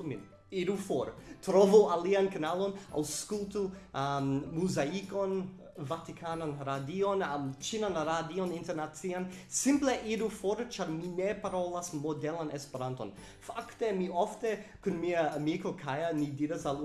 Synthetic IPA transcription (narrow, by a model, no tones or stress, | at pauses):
mḭ | iɾufoɾtɾovualiankanalo̞na̰wskultummuzaiko̞n | vatikʰananɾadionat͡ʃinanɾadioninteɾnat͡siansimpleʔiɾufoɾt͡ʃaɾminepaɾolasmodelanespeɾanto̰n | faktemiʔoftekunmiaamikokʰajanidiɾasal